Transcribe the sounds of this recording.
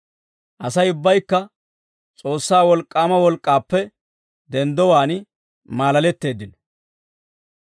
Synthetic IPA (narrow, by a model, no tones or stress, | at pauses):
ʔɐsɐjʊbːɐjkːɐ | t͡sʼo̞ːsːaːwɔlkʼːaːmɐwɔlkʼːaːpːɛ | d̪ɛnd̪ɔwaːn | maːlɐlɛt̪ːe̞ːd̪ːɪnɔ